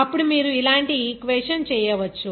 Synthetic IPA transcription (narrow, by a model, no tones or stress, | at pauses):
ɐpːuɽumiːɾuilaːɳʈikʋɛːʂɐnt͡ʃɛːjɐʋɐt͡ʃːu